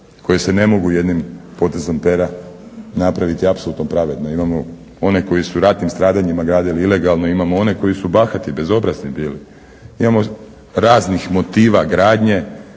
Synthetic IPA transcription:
ko̞jese̞ne̞mo̞ɡuje̞d̪nimpo̞t̪e̞zo̞mpe̞ɾanapɾaʋit̪iapsoluːt̪nopɾaʋe̞d̪no̞imamo | o̞ne̞ko̞jisuɾat̪nimst̪ɾaːd̪aɲimaɡɾaːd̪iliile̞ɡalˠno̞imamoo̞ne̞ko̞jisubaːxat̪ibe̞zo̞bɾaznibiːli | imamo | ɾaːznixmo̞t̪iːʋaɡɾaːd̪ɲe̞

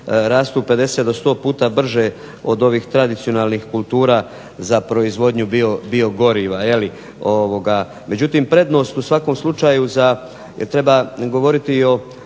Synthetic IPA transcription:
ɾaːst̪uːpe̞d̪e̞se̞t̪d̪ost̪o̞ːpuːt̪abr̩ʒe | o̞d̪o̞ʋiːxt̪ɾad̪it̪sio̞naːlˠnixkulˠt̪uːɾaː | zapɾo̞izʋo̞d̪ɲubio̞bio̞ɡo̞ɾiʋaje̞li | oʋo̞ɡa | me̞d͡ʑut̪impɾe̞d̪no̞ːst̪usʋako̞mslˠut͡ʃaːjuza | jet̪ɾe̞baɡo̞ʋo̞ɾit̪io̞

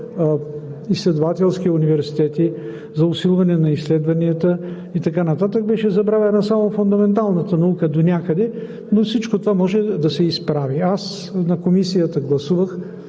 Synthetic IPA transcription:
islɛd̪ovat̪ɛlˠskiunivɛɾsi̥t̪ɛt̪i | zɐʊsilˠvɐnɛnɐislɛd̪vɐniət̪ə | it̪ɐkanɐt̪at̪əɡ̚bɛʃɛzɐbɾavɛnasamofʊnd̪ɐmɛnt̪alˠnət̪ənɐukəd̪onʲakəd̪ɛ | nofsit͡ʃkot̪ovamɔʒɛd̪ɐsɛispɾavias | nɐkomisijət̪əɡlˠɐsuvəx

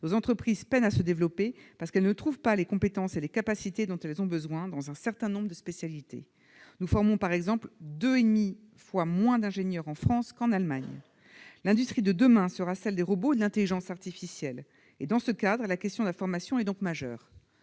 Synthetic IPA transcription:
nozɑ̃t̪χəpχizpɛnasəd̪evlɔpepaʁsə̥kɛlnət̪χuvpalekɔ̃pet̪ɑ̃selekapasit̪ed̪ɔ̃t̪ɛlzɔ̃bəzwɛ̃d̪ɑ̃zɛ̃sɛʁt̪ɛ̃nɔ̃bʁəd̪əspesjalit̪ʰḛ | nufɔʁmɔ̃paʁɛɡzɑ̃pld̪øed̪mi | fwamwɛ̃d̪ɛ̃ʒenjœʁɑ̃fχɑ̃skɑ̃nalmaɲ | lɛ̃d̪yst̪χid̪əd̪əmɛ̃səʁasɛld̪eʁəbod̪əlɛ̃t̪eliʒɑ̃saʁt̪ifisjɛl | ed̪ɑ̃səkad̪ʁəlakʲɛst̪jɔ̃d̪əlafɔʁmasjɔ̃ɛd̪ɔ̃kmaʒœ̰ːʁ

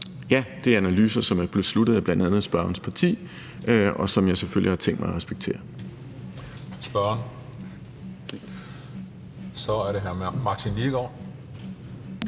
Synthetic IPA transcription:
jæd̥e̝æɐænælyːsɐsɒ̽mæb̥leslud̥ð̩ˠæb̥lænd̥ænð̩ˠsb̥ɶɐɐnspʰɑ̈t͡sʰḭː | ʔɒ̽sɒ̽mjɑ̈ɪseføl̰jihɑ̈t͡sʰeŋ̰d̥mɑ̈ɪɐʁɛsb̥eɡ̥̚t͡sʰe̝̰ːɐ | sb̥ɶɐn | sɒ̽æɐɾe̝ɦæɐmɑ̈t͡sʰinliɡ̥ɒ

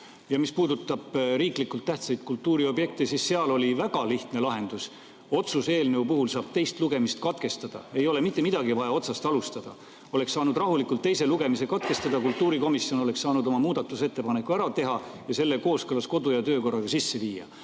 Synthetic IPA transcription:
jɑmispuːd̪ut̪ːˑɑb̥ɾiːklikːˑult̪ːæht̪sɑjd̪̚kult̪ːˑuːɾio̞bje̞k̚t̪esisːeɑlo̞lʲivæɡ̥ɑliht̪ne̞lɑɦe̞nd̪̥us | o̞t̪suse̞ːlneupɤɦulsɑːb̥̚t̪e̞jst̪luɡe̞mist̪̚kɑt̪ke̞st̪ɑd̪̥ɑ̰e̞jo̞le̞mit̪ːˑe̞mid̪̥ɑɡivɑjɑo̞t̪sɑst̪ɑlust̪ɑd̪̥ɑ̰ | o̞le̞ksɑːnud̪rɑɦulikˑult̪ːe̞jse̞luɡ̥e̞mise̞kɑt̪̚ke̞st̪ɑd̪̥ɑkult̪ːuːɾiko̞misio̞no̞le̞kssɑːnud̪o̞mɑmuːd̪̥ɑt̪ːˑuse̞t̪ːe̞pɑnekːˑuæɾɑt̪e̞ɦɑjɑse̞lːe̞ko̞ːskɤlɑsko̞d̪ujɑt̪øːko̞rːɑɡ̥ɑsisːe̞viːjɑ̰

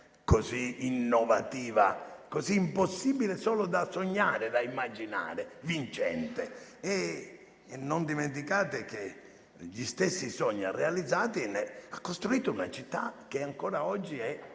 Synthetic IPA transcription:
koziinːɔvat̪iːva̰koziːmposːiːbilesɔːlod̪asoɲːaːɾed̪aimːad͡ʒina̰ːɾevint͡ʃɛ̰nt̪eɛ | nːond̪iment̪̬ikaːt̪ek̟e | ʎist̪esːisɔɲːa̰realid̪zːaːt̪inːeakːost̪ɾuiːt̪ʊunat͡ʃit̪ːa̰k̟ːeaŋkɔːɾaɔd͡ʒːiɛ

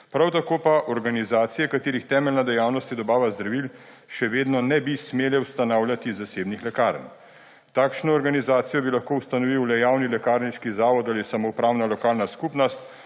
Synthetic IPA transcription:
pɾawt̪akoːpaʔɔɾɡanizaːt̪sijɛkat̪eːɾixt̪ɛːmɛlnad̪ɛjaːwnɔst̪id̪ɔbaːʋazd̪ɾaʋil | ʃɛʋeːd̪nɔnɛbismeːlɛwst̪anawljat̪izaseːbnixlɛkaɾn | t̪aːkʃnɔːɾɡanizaːt̪sijɔbilaxkoːwst̪anɔʋiwlɛjaːwnilɛkaːɾniʃkizaːʋɔt̪alisamopɾaːwnalɔkaːlnaskupnɔst̪̚

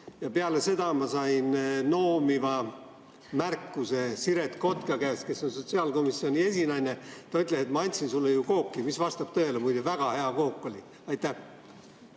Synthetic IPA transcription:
jɑpeɑle̞se̞d̪̥ɑmɑsɑinno̞ːmivɑ | mærkːuse̞siɾe̞t̪ko̞t̪kɑkæːske̞sːo̞nso̞t̪siɑlko̞misːio̞nʲie̞sinɑjne̞t̪ɑyt̪ːˑleset̪mɑɑnʲt̪ʲsinsulːejuko̞ːkːimisvɑst̪ɑb̥t̪ɤe̞lemujd̪evæɡ̥ɑhe̞ɑko̞ːkːo̞li | ɑjt̪ːˑæh

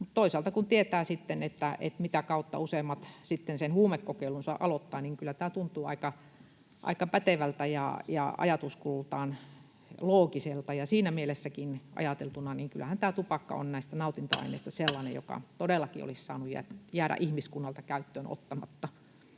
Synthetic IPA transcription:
mut̪t̪oisɑlt̪ɑkunt̪iet̪æːsit̪ːenet̪ːæʔḛt̪mit̪ækɑut̪ːɑ̰useːmːɑt̪sit̪ːensenhuːmekːokeilunsɑ̰ʔɑlot̪ːɑːniŋkylːæt̪æːt̪unt̪uːɑ̰ikɑ | ʔɑ̰ikɑpæt̪eʋælt̪æjɑ̰jɑ̰ɑ̰jɑt̪uskult̪ɑːn | loːkiselt̪ɑjɑsiːnæmielesːækinɑ̰jɑt̪elt̪unɑniːŋkylːæhænt̪æːt̪upɑkːɑ̰o̰nnæist̪ænɑut̪int̪o̰ɑ̰inḛist̪ɑselːɑnḛjo̰kɑ̰t̪odelːˑɑkio̰lissɑ̰ːnujjæ̰jæːɾæ̰ʔihmiskunːɑlt̪ɑkæyt̪ːøːno̰t̪ːɑmɑ̰t̪ːɑ

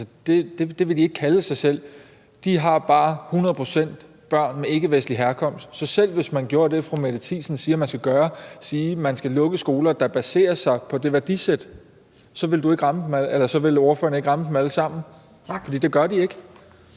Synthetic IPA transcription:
səd̥e̝d̥e̝d̥e̝ʋe̝d̥ie̝ɡ̥ə̥kʰæləsɑ̈ɪsel̰ | d̥iɦɑ̈b̥ɑ̈ːhunɐð̞ˠpʰʁo̝sen̰d̥ | b̥ɶɐ̰nmee̝ɡ̥əʋesnliɦæɐkʰɒ̽m̰sd̥sɒ̽sel̰ʋe̝smænɡ̥jo̝ːɐd̥e̝fʁomedət͡sʰḭsn̩siːɐmænsɡ̥æɡ̥ɶːɐsiːmænsɡ̥ælɔ̽ɡ̥əsɡ̥o̝ːlɐd̥ɑ̈b̥æse̝̰ːɐsɑ̈ɪpʰɒ̽d̥e̝ʋæɐd̥ised̥ | sɒ̽ʋe̝ld̥ue̝ɡ̥ʁɑ̈mə̥m̩ælelɐsɒ̽ʋe̝loɐfø̰ɐnəe̝ɡ̥ʁɑ̈məd̥m̩æləsɑ̈m̰n̩ | fɒdḭːd̥e̝ɡ̥ɶɐd̥ie̝ɡ̥ə

